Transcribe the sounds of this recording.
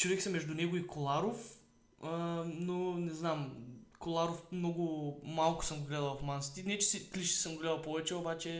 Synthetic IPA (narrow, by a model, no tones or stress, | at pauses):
t͡ʃovɛkʲsəmːɛʒd̪ʊnɛɡʊikolˠaɾof | ənonɛznamkolˠaɾofmnɔɡʊmalˠkʊ̥sɤmɡoɡlɛd̪ɐlˠfmansi̥t̪inɛt͡ʃɛ̥sikliʃt̪i̥səmɡoɡlɛd̪ɐlˠpɔvɛt͡ʃɛobat͡ʃɛ